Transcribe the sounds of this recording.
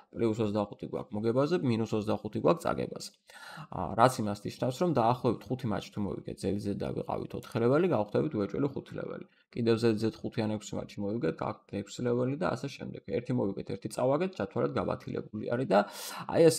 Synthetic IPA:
pʼliusɔzd̪aχut̪ʰiɡwa̰kʰmɔɡɛbazɛminusɔzd̪aχut̪ʰiɡwak̚ʰt̪sʼa̰ɡɛ̰ba̰z̥ɛ̥ | ɾat̪sʰimasnit͡ʃʰnafsɾɔmd̪aːχlˠɔɛbit̪ʰχut̪ʰima̰t͡ʃʰt̪ʰumɔ̰vḭɡ̥ɛ̰t̪̚ʰzɛlizɛd̪a̰vḭqʼa̰vḭt̪ʰɔt̪ʰχɛlɛvɛliɡaχd̪ɛbit̪ʰvɛt͡ʃʼwɛ̰liχut̪ʰilɛ̰vɛ̰li | kʼid̪ɛvzɛlid̪zɛt̪χut̪ʰianɛkʰsima̰t͡ʃʰimɔiɡɛt̪̚ʰɡa̰k̚t̪ʰɛkʰsilɛvɛlid̪aːsɛʃɛmd̪ɛɡ̥ɛ̰ɾt̪ʰimɔviɡɛt̪ʰɛɾt̪ʰit̪sʼavaɡɛt̪̚ʰt͡ʃʰat̪ʰwalɛd̪̚ɡaba̰t̪ʰilɛ̰bulḭa̰ɾid̪aa̰jɛs

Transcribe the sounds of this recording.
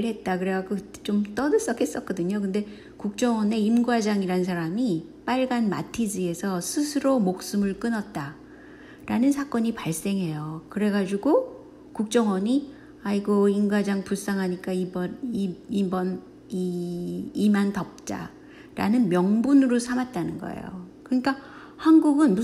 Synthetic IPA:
ɭɦe̞t̚t͈akɯɾeɡaɡɯt͡ɕomt͈ʌdɯs͈ʌkʰhes͈ʌk̚k͈ʌdɯɲok̬ɯnde̞ | kuk̚t͡ɕ͈ʌŋwʌne̞imɡwad͡ʑaŋiɾansʰaɾamip͈aɭɡanma̰tʰid͡ʑie̞sʰʌsʰɯsʰɯɾomok̚s͈ɯmɯɭk͈ɯnʌt̚t͈a | ɾanɯnsʰak͈ʌɲipaɭs͈e̞ŋɦe̞jokɯɾe̞ɡad͡ʑuɡo | kuk̚t͡ɕ͈ʌŋwʌɲi | aiɡoimɡwad͡ʑaŋpus͈aŋɦaɲik͈aibʌniibʌn | iː | mantʌp̚t͡ɕ͈a̰ | ɾa̰nɯnmjʌŋbunɯɾosʰamat̚t͈anɯnɡʌ̰ḛjo̰kɯɲik͈a | hanɡuɡɯnbu

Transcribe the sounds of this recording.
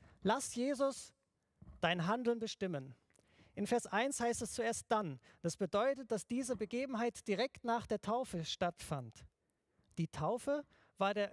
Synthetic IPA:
lasjeːzʊs | d̥aɪnɦandl̩nbəʃtɪmən | ʔɪnfɛɐsʔaɪnshaɪstɛst͡sueːɐst̚d̥and̥asb̥ədɔʏtət̚d̥asd̥iːzəbəɡeːbm̩ɦaɪtd̥iʁɛktnaːχd̥eːɐtʰaʊfəʃtatfant | d̥iːtʰaʊfə | vaːɐdeːɐ

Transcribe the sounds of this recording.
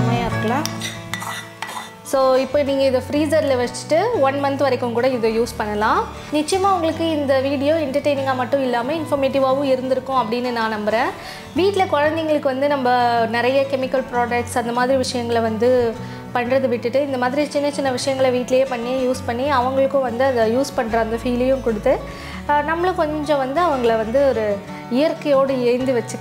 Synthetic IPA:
ɐmajaːɪɾɯkːɐlãː | soːɪpːoːniːŋɡɐɪðɐfɾiːsɐɾɪlɐʋɐt͡ʃːɯ̥ʈːɯʋɐnmɐnt̪ʋɐɾɐkːɯ̃mkuːɽɐɪðojuːspɐɳːɐlãː | nɪt͡ʃːɐɪjɐmaːʋɐŋɡɐɭɯkːɯɪnd̪ɐʋiːɽɪjoːɛɳʈɐɾʈeɪnɪ̃ŋɡamɐʈːʊ̃ɪlːaːmɐɪnfɐɾmeːʈɪʋaːʋɯ̃ɪɾɯnd̪ɪɾɯkːʊ̃ɐpːɐɽɪnːɯnãːnɐmbɐɾẽː | ʋiːʈːlɐkɔɻɐnd̪ɪŋɡɐɭɯkːɯʋɐnd̪ɯnɐmbɐnɪɾɐjɐkɛmɪkːɐlpɾoːɖɐk̚ʈsɐnd̪ɐmaːðɪɾiʋɪʂɐjɐŋɡɐɭʋɐnd̪ɯ | pɐɳːɾɐðɯʋɪʈːɯʈːɯɪnd̪ɐmaːðɪɾit͡ʃɪnːɐt͡ʃɪnːɐʋɪʂɐjɐŋɡɐɭɐʋiːʈːɪlɐjeːpɐɳːijuːspɐɳːiɐʋɐŋɡɐɭɯkːʊ̃ʋɐnd̪ɯɐðɐjuːspɐɳːɾɐɐnd̪ɐfiːlɐjʊ̃kʊɽɯt̪ːɯ | nɐmːɐɭɯkɔɲd͡ʒɪɲd͡ʒõʋɐnd̪ɯɐʋɐŋɡɐɭʋɐnd̪ɯɔɾɯ | ɪjɐɾkɐjoːɽɯɛːɾnd̪ɯʋɛt͡ʃːɯ

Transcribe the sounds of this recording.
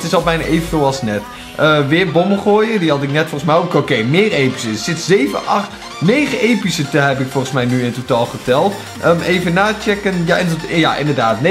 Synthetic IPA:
tɪsɑlˠbɛjna̰ʔejvənvɪːlˠɑlˠsnɛt | ʔəʋɪːɹbɔməχoːjədiɦɑtɪknɛtfɔlˠχəsmɛjowkokejmɪːrejpi̥səsɪtzejvə̰ʔɑχt | nejχəʔejpisətəɦɛpɪkfɔɹχənsmɛjnyɪntotaːlˠχətɛlˠt | əmʔejvənaːt͡ʃɛkənjaɪnjaʔɪ̰ndəɹdaːtne

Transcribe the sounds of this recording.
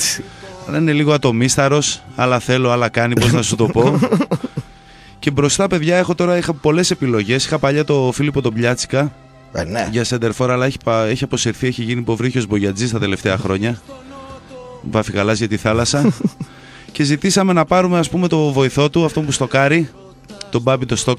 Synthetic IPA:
ɐnɐine̞liɣo̞ɐt̪o̞mist̪ɐɾo̞sɐlɐθe̞loɐlɐkɐnipoznɐsut̪o̞po̞ | ce̞bɾo̞st̪ɐpe̞ðʝɐe̞xo̞t̪o̞ɾɐixɐpo̞le̞se̞pilo̞ʝe̞si̥xɐpɐʎɐt̪o̞filoipo̞t̪o̞bʎɐt͡si̥kɐ | ʝɐsend̪e̞ɾfo̞ɾɐːlɐeçi̥peçiɐpo̞siɾθieçiʝinipo̞vɾiçozbo̞ʝɐd͡zist̪ɐt̪e̞le̞ft̪eɐxɾo̞ɲɐ | vɐfikɐlɐzʝɐt̪iθɐlɐsɐ | ce̞zit̪isɐme̞nɐpɐɾume̞ɐspume̞t̪o̞vo̞iθo̞t̪uɐft̪o̞mpust̪o̞kɐɾi | t̪o̞bɐbit̪ost̪o̞k

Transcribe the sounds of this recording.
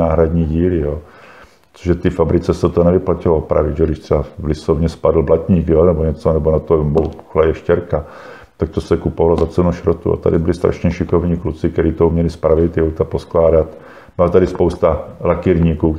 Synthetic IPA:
aːɦɾad̪ɲiːɟiːlɪjoː | t͡soʒʒɛt̪ɪfabɾɪt͡sɛsɛt̪onɛvɪplacɪloopɾa̰vɪʒɛɡdɪʃt̪sɛbavlɪsovɲɛspadl̩blacɲiːkjonɛboɲɛt͡sonɛbonat̪obouxlajɛʃcɛɾka | t̪ak̚t̪osɛkupovalozat͡sɛnuʃɾot̪ṵa̰t̪a̰dɪbɪlɪst̪ɾa̰ʃɲɛʃɪkovɲiːklut͡sɪk̚t̪ɛɾiːt̪oumɲɛlɪspɾavɪt̪ɪowt̪aposklaːdat̪ | b̥ɪlat̪adɪspowst̪alakiɾɲiːkuː

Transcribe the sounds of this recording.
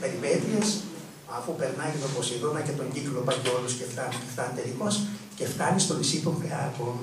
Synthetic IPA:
peɾivet̪ies | ɐfupe̞ɾnɐiet̪oposinðonɐce̞t̪o̞ɲɟiklopɐceolusceft̪ɐnuceft̪ɐnt̪eliko̞sce̞ft̪ɐnist̪o̞misit̪ofeɐko

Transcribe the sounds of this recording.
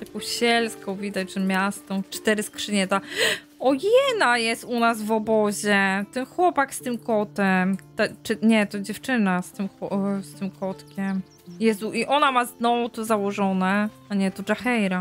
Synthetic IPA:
t̪akɔ̃w̃ɕɛlskɔ̃w̃vʲid̪at͡ɕʐɛmʲjast̪ɔ̃w̃t͡ʂt̪ɛɾɘskʂɨɲɛt̪a | ɔjɛnajɛst̪unasvɔbɔʑɛt̪ɛnxwɔpakst̪ɘmkɔt̪ɛmt̪ɛt͡ʂɨɲɛt̪ɔd͡ʑɛft͡ʂɘnast̪ɘmxwɔst̪ɘmkʰɔt̪kʲɛm | jɛst̪uʔiʔɔnamaznɔvut̪ɔzawɔʐɔnɛ | aɲɛt̪ɔʐaxɛjɾa

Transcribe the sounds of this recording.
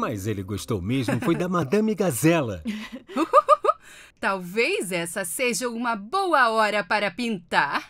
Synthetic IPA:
mɐzelɪɡoʃt̪o̰wmezmʊfojd̪ɐmad̪ɐ̃miɡazɛlɐ̰ | t̪awvejzɛsɐseʒɐũmɐbowɐɔɾɐpaɾɐpĩnt̪aɾ

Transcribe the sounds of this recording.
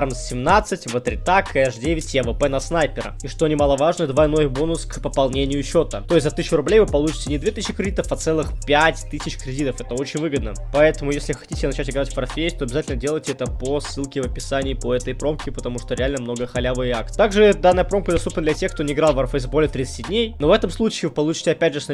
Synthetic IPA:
rmssʲɪmnat̪sːɨtʲvət̪ɾʲɪt̪akɛʂdʲevʲɪtʲjɛvəpɛnɐsnajpʲɪɾə̰iʂt̪o̞nʲɪmalˠəvaʐnəd̪vaɪno̞jbo̞nʊskpəpɐlˠnʲenʲɪjʊːt͡ɕːo̞t̪ət̪o̞jɪsʲt̪zɐt̪ɨsʲɪɕːʊɪɾʊblʲejvɨpɐlˠut͡ɕɪ̥tʲɪnʲɪd̪vʲe̞t̪ɨsɕɕːɪkɾʲɪdʲit̪əfɐt̪sɛlˠɨxpʲætʲt̪ɨsʲɪt͡ɕkɾʲɪdʲit̪əfɛt̪əo̞t͡ɕɪnʲvɨɡəd̪nə | pɐɛt̪əmʊjesʲlʲɪxɐ̥tʲitʲɪnɐt͡ɕætʲɪɡɾatʲfpɾɐfʲesʲt̪oɐbʲɪzatʲɪlʲnədʲelˠəjtʲɪɛt̪əposːɨlˠkʲɪvəpʲɪsanʲɪːpəɛt̪əjpɾo̞mkʲɪpət̪ɐmuʂt̪oɾʲɪalʲnəmno̞ɡəxɐlʲavɨjɪakt̪t̪aɡʐɨd̪anːəjəpɾo̞mkəd̪ɐst̪upnəd̪lʲɛtʲe̞xkt̪o̞nʲɪɪɡɾalˠvɐrfəjzbolʲɪət̪ɾʲit̪sɨ̥tʲɪdʲnʲejno̞vɛt̪əmslˠut͡ɕɪːvɨpɐlˠut͡ɕɪ̥tʲɪɐpʲædʲʐɨsɐ

